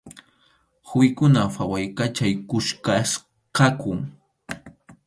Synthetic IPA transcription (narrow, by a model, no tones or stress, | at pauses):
xʊjɪkʊnafawajkat͡ʃajkʊʃkas | qɑkʊŋ